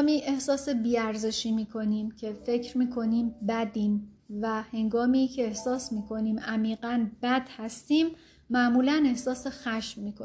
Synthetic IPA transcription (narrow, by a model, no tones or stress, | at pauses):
miːʔe̞hsɒːse̞biːæɾze̞ʃiːmiːkʰo̞niːmcʰe̞fe̞cʰɾmiːkʰo̞niːmbæd̪iːm | væhe̞ŋɡɒːmiːcʰe̞ːhsɒːsmiːkʰo̞niːmæmiːɢænbæd̪̥hæst̪iːmː | æʔmuːlæne̞hsɒːsexæʃmːiːkʰo